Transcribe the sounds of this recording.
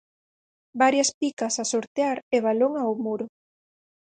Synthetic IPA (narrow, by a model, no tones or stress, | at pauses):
baɾjɐspikɐsasoɾt̪eaɾeβ̞aloŋaomuɾo